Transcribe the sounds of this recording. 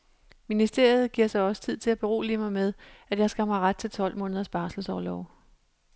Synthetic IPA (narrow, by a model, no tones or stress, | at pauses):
minisd̥e̝ɐ̰ið̞̩ˠɡ̥iɐ̰sɑ̈ɪɒ̽sə̥t͡sʰið̞̰ˠt͡sʰe̝læb̥e̝ʁo̝̰ːlimɑ̈ɪmeð̞ˠæ̥jɑ̈ɪsɡ̥æhæmɑ̈ɪʁad̥̚t͡sʰe̝lt͡sʰɒ̽l̰mɔ̽ːnð̞ˠɐsb̥ɑ̈ːsl̩sɒʊlɒʊ